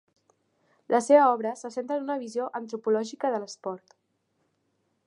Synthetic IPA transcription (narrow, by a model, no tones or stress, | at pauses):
lʔəseβəɔβɾəsəsent̪ɾəːnunəβizioʔənt̪ɾupulɔʒikəðələspɔɾt̪